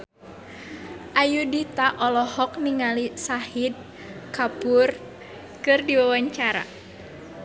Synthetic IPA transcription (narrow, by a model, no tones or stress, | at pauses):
ʔajudit̪aʔɔlɔhɔk̚niŋalisahid̪̚ | kapur | kɨrdiwawaɲt͡ʃaɾa̰